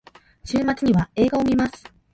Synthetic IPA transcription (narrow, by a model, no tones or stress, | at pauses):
ɕɨːmat͡sɨɲ̟iβae̞ːɡao̞mʲimasɨ̥